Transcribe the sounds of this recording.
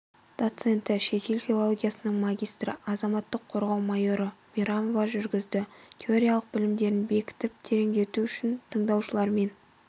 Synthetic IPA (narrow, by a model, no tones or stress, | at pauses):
d̪̥o̞t̪se̞nt̪ɪʃe̞t̪ʰe̞lʲfʲilˠolˠo̞ɡʲijasənəɴmaɡʲijst̪ɾə̰ʔɑzɑmɑt̪ːəqʰːo̞ɾʁɑwmajo̞ɾəmʲiɾamovɑʒʏɾɡʲɪzd̪ɪt̪ʲʰe̞o̞ɾʲijalˠəq̚bɪlɪmd̪e̞ɾɪnbe̞kʲɪ̥t̪ɪp̚t̪ʰe̞ɾe̞ŋd̪e̞t̪uʏʃɪnt̪ʰəɴd̪ɑwʃəlˠɑɾme̞n